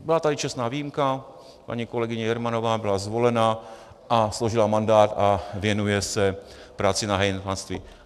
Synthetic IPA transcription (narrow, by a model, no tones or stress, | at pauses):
bɪlat̪adɪt͡ʃɛst̪naːviːjimka | pa̰ɲiko̞lɛɡɪɲɛjɛɾmanovaːbɪlazvo̞lɛna | ʔasloʒɪlamandaːt̪avjɛnujɛsɛpɾaːt͡sɪnaɦɛjnpanst̪vi